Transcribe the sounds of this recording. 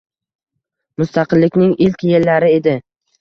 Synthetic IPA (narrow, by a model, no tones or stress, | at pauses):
mʊst̪ʰɑqɨlːɪkʲnɪŋʔɪlkʲje̞lːaɾɪe̞d̪ɪ